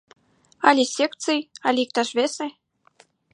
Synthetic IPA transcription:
ɑlʲesʲekt̪t͡sɨjɑlʲik̚t̪ɑʃβʲese

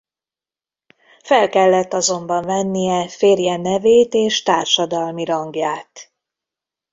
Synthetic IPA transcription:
fɛlkɛlːɛt̪ːɒzo̞mbɒɱvɛnːijɛfeːrjɛnɛveːt̪eːʃt̪aːrʃɒd̪ɒlmiɾɒŋɡjaːt̪

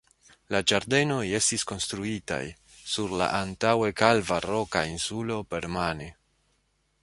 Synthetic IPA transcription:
lad͡ʒaɾde̞no̞je̞stisko̞nst̪ɾuita̰j | suɾla̰ʔantawe̞kalvaɾo̞kainsulo̞pe̞ɾmane

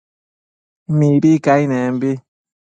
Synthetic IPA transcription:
mibikainɛm̩bi

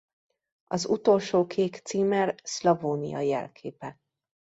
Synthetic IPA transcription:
ɒzut̪o̞lʃoːkʰeːkt̪siːmɛrslɒvoːnḭjɒ̰jɛ̰lkʰeːpɛ

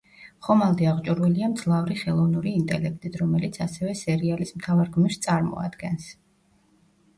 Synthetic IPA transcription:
χɔmalˠd̪iaʁt͡ʃʼuɾwɛliamd̪z̥lˠavɾiχɛlˠɔvnuɾiːnt̪ʼɛlɛk̚ʰt̪ʼit̪ʰɾɔmɛlit̪sʰasɛvɛsɛɾialismt̪ʰavaɾɡmiɾst̪sʼaɾmɔ̰a̰d̪̥ɡɛns

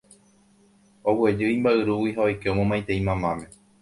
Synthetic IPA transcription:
owe̞d͡ʒɨĩmbaɨɾuwiɦao̞jkeomõmãj̃t̪eĩmãmãmẽ̞

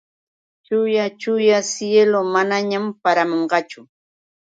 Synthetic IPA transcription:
t͡ʃʊjat͡ʃʊjasjelomanaɲampaɾamoɴɢɑt͡ʃʊ

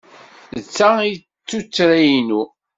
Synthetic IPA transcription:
ət͡sːai | t͡sːut͡sːɾæjinu

